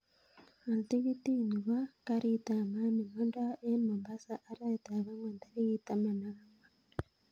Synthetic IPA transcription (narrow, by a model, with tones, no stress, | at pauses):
a˨lti˦ɣi˦ti˦˨ni˨βa˦ka˦ɾi˦ta˨ma˦mi˨no˦nda˦ʔe˦nmo˨mba˦sa˦ʔa˦ɾa˦˨ta˨βa˦mwa˨nd̪a˦ɾi˦ɣi˦ta˨ma˨na˦ŋa˨